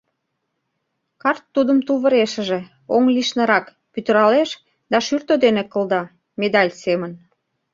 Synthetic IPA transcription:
kɑrt̪ːud̪əmt̪uβə̆ɾeʃə̆ʒĕ | oŋliʃnəɾɑk | pyt̪əɾɑleʃ | d̪ɑʃyrt̪od̪enekəld̪ɑ | med̪ɑlʲsemən

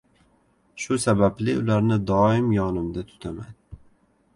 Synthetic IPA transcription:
ʃʊsabablɪʊlaɾnɪd̪ɒɪmjɒnɪmd̪at̪ʰʊ̥t̪ʰama̰n

